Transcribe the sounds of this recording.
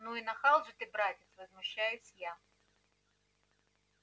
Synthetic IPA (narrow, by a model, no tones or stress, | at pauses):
nuinɐxɑlˠʒɪt̪ɪbɾɑt̪ʲɪsʲʋɐzmʊʃːajʊsʲja